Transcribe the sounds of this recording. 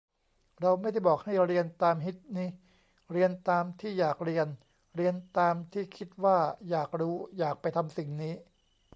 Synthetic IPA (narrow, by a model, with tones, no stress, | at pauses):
ɾa˧wma˥˩jda˥˩jbɔː˨˩k̚ha˥˩jɾi˧ənt̪aː˧mɦi˦˥t̪̚niː˦˥ | ɾi˧ənt̪aː˧mt̪ʰiː˥˩jaː˨˩k̚ɾi˧ən | ɾi˧ənt̪aː˧mt̪ʰiː˥˩kʰi˦˥t̪̚waː˥˩jaː˨˩k̚ɾuː˦˥jaː˨˩k̚pa˧jt̪ʰa˧msi˨˩ŋniː˦˥